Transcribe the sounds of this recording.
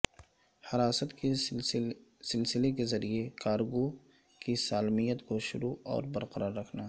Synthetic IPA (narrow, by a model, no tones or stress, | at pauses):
hɐɾaːsət̪ke | sɪlsɪlek̬ezɐɾiekaːɾɡo | kisaːlmijət̪koʃʊɾuɔ̰ːɾbɐɾqəɾaːɾːɐkʰna